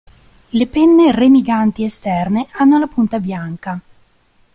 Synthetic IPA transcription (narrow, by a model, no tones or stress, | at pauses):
lepɛnːeremiɡant̪iest̪ɛrneanːolapunt̪abjaŋka